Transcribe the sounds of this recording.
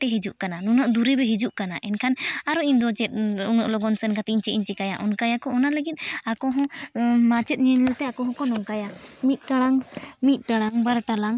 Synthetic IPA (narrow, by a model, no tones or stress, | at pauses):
ʈɛɦid͡ʒuʔkananunaʔd̪uɾɛbɛɦid͡ʒuʔkanaʔɛnkʰanaɾɔiɲd̪ɔt͡ʃɛt̪̚unɔʔlɔɡɔnsɛnkat̪iiɲt͡ʃɛiɲt͡ʃɛkajaʔɔnkajakɔɔnaləɡit̪̚ˀakɔɦɔ̃mat͡ʃɛt̪̚ˀɲɛɲɛlt̪ɛakɔɦɔ̃kɔnɔŋkajamit̪̚ˀʈaɽaŋmit̪̚ˀʈaɽaŋbaɾʈalaŋ